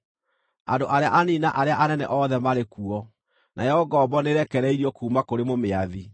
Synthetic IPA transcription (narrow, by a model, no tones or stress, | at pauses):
a̰ndoʔaɾeaʔaninaʔaɾeaʔanɛnɛ̰ʔɔðɛmaɾekuɔ | nʔajɔɡɔːbɔneɾɛkɛɾɛiɾiɔkuːmakoɾemomeaði